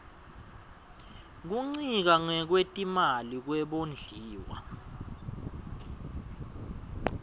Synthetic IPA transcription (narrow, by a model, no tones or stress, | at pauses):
k̬uŋ͡ǀik̬aŋɛk̬wetʼimalik̬wɛɓond͡ɮʱiːwa̰